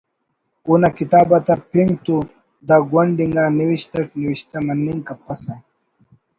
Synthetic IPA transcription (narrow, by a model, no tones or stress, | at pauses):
unɐkit̪aːbɐt̪ɐpʰiŋɡt̪u | d̪aɡwɐɳɖiŋɡaniwiɕt̪ɐʈniwiɕt̪ɐmɐnːiŋkɐpɐsɐ